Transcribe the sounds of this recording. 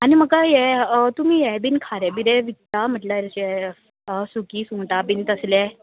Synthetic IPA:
animəkajɛt̪um̤iːjɛbinkʰaɾɛbiɾɛʋit̪am̤əʈlaɾt͡ɕɛ | sukiːsũŋʈabint̪əslɛ

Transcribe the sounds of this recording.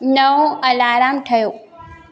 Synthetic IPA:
nɐuɐlaːɾaːmʈʰɐjoː

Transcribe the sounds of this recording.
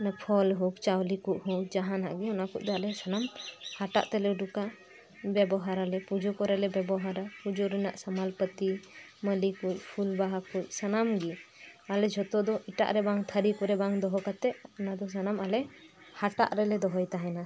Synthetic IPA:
npʰɔlɦũk̚t͡ʃawlikuʔɦũk̚d͡ʒaɦãnaʔɡiɔnakuʔ̚d̪ɔalɛsənamhaʈa̰ʔt̪ɛlɛuɖuka | bɛbɔɦaɾalɛpud͡ʒɔkɔɾɛlɛbɛbɔɦaɾapud͡ʒuɾɛnaʔsamalpət̪i | məlikuc̚ˀpʰulbaɦakʰuc̚sənamɡialɛd͡ʒʱɔt̪ɔd̪ɔʔiʈa̰ʔɾɛbaŋt̪ʰəɾikɔɾɛbaŋd̪ɔɦɔkat̪ɛɔnad̪ɔs̬anamalɛ | haʈa̰ʔɾɛlɛd̪ɔɦɔjt̪aɦɛna

